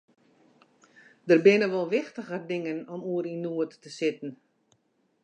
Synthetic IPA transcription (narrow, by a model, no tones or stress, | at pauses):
dərbɪnəʋɔlˠʋɪxtəɣərdɪŋənɔmuəɾinuətːəsɪtən̩